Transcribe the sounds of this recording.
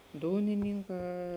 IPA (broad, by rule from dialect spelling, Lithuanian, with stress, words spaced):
ˈduːnʲɪnʲiːŋˌkɑː